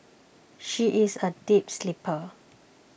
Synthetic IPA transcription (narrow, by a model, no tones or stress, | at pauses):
ʃiʔɪsədipslipʰə